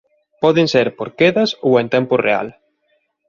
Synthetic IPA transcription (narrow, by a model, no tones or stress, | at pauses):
pɔðeŋseɾpoɾkeðɐsowent̪ɛmpʊrea̰l